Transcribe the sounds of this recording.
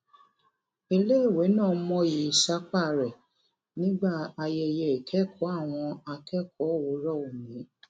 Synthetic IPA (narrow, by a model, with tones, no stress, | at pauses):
e˧le˦i˦˨we˨˦nãː˦˨˦mɔ̃˦ji˨˦˨ʃa˦k͡pa˦˨ɾɛ˨ | nĩ˦ɡ͡ba˦˨a˧jɛ˧jɛ˧˨e˨kʰɛ˦kʰɔ˨˦a˦˨w̃ɔ̃˧a˧kɛ˦kʰɔ˨˦˨wo˨˦ɾɔ˦˨o˨mĩ˨˦